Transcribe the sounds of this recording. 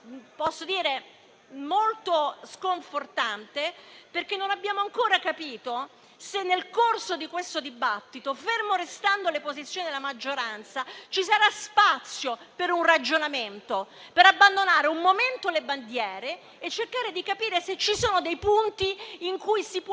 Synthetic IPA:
pɔsːod̪iːɾe | molt̪oskoɱfort̪ant̪eperk̟enːonabːjaːmoaŋkoːɾakapiːt̪o | senːelkorsod̪ikwest̪od̪ibat̪ːit̪ofermoɾest̪and̪olepozit̪sːjoːnid̪elamad͡ʒːoɾant̪sat͡ʃisaɾaspat̪sːjopeɾunrad͡ʒonament̪o | peɾabːand̪onaːɾeumːoment̪oleband̪jɛːɾeː | t͡ʃːerkaːɾed̪ikapiːɾeset͡ʃːisoːnod̪ejpunt̪iːŋkujsip

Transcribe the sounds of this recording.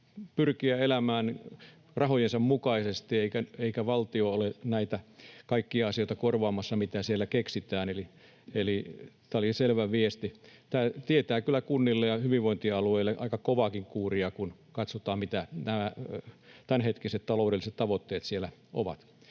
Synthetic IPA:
pyrkiæelæmæːn | rɑhojensɑmmukɑisest̪ieikæeikæʋɑlt̪ioolenæit̪ækɑikːiɑɑsijoit̪ɑkorʋɑːmɑsːɑmit̪æsielːækeksit̪æːneli | eli | t̪æoliselʋæʋiest̪it̪æːt̪iet̪æːkylːˑækunːilːejɑhyʋiʋʋoint̪iɑlueilːeʔɑ̰ikɑkoʋɑkiŋkuːriɑkunkɑt̪sot̪ɑːmmit̪ænæmæ | t̪ænhet̪kiset̪t̪ɑloˑudelːˑiset̪t̪ɑʋot̪ːeːt̪sielæʔo̰ʋɑ̰t̪

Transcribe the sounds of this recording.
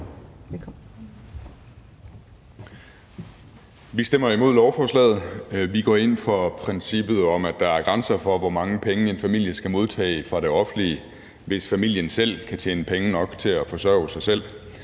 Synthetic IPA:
ʋisd̥em̰ɐimo̝ð̰ˠlɒʊfɒslɛ̰ːð̩ˠʋiɡ̥ɒ̰ːe̝n̰fɒ̽pʰʁɛnsib̥ð̞̩ˠɒ̽mæd̥ɑ̈æɐɡ̥ʁɑ̈nsɐfɒ̽ʋɒmɑ̈ŋəpʰeŋəe̝nfæmil̰jəsɡ̥æmo̝ð̞ˠt͡sʰɛ̰ːfʁɑ̈ɾ̥e̝ɒ̽fn̩liə | ʋe̝sfæmil̰jənsel̰kʰæt͡ɕʰḛːnəpʰeŋənɒ̽ɡ̥t͡sʰe̝æfɒ̽sɶɐʊsɑ̈ɪsel̰

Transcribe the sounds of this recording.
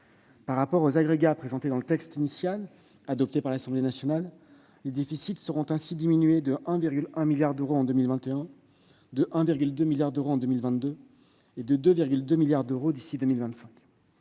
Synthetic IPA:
paʁːapɔʁozaɡʁeɡapχezɑ̃t̪ed̪ɑ̃lət̪ɛkst̪inisjal | ad̪ɔp̚t̪epaʁlasɑ̃blenasjɔnalː | ed̪efisit̪səʁɔ̃t̪ɛ̃sid̪iminɥed̪əʔɛ̃viʁɡʲylɛ̃miljaʁd̪øʁoɑ̃d̪ømilvɛ̃t̪eɛ̃ | d̪əʔɛ̃viʁɡʲyld̪ømiljaʁd̪øʁoɑ̃d̪ømilvɛ̃t̪d̪ø | ed̪əd̪øviʁɡʲyld̪ømiljaʁd̪øʁod̪isid̪ømilvɛ̃t̪sɛ̃kʲ

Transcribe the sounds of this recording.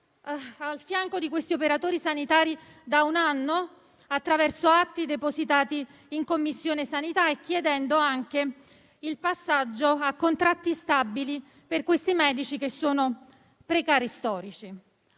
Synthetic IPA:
alfjaŋkod̪ikwest̪iopeɾat̪oːɾisanit̪aːɾi | d̪aunanːo | at̪ːɾavɛrsoat̪ːid̪epozit̪aːt̪iː | ŋkomːisːjoːnesanit̪aek̟ːjed̪ɛnd̪oaŋke | ilpasːad͡ʒːoakːont̪ɾat̪ːist̪abːili | perkwest̪imɛːd̪it͡ʃikesːoːno | pɾekaːɾist̪ɔːɾit͡ʃi

